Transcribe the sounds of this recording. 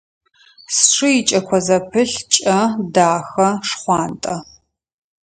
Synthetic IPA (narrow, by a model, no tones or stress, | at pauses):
sʂɨjɪt͡ʃʼɐkʷʰɔzɐpʰɨɬt͡ʃʼɐdaːxɐʂχʷɑːntʼɐ